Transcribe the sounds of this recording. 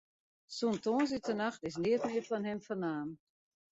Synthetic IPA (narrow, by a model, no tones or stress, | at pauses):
suntoːəns̬itənaxtɪs̬nɪətmɪətfɔnhɛmfɔnaːm